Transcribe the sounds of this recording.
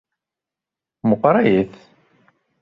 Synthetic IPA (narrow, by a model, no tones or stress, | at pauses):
mʊqɾˤɑjəθ